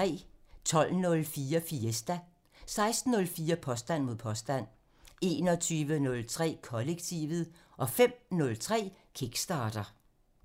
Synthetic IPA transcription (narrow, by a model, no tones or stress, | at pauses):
ɛ̰ːt͡sʰɒ̽l̰nɔ̽lfiːɐfiesd̥æ | sɑ̈ɪsd̥n̩ːɔ̽lfiːɐpʰɒ̽sd̥æn̰mo̝ð̰ˠpʰɒ̽sd̥æn̰ | e̝̰ːnɒ̽t͡sʰyːʋənɔ̽lt͡sʰʁɛ̰ːkʰɒ̽leɡ̥̚t͡sʰiːʋð̩ˠ | ʔɒ̽fem̰nɔ̽lt͡sʰʁɛ̰ːkʰiɡ̥sd̥ɑ̈ːd̥ɐ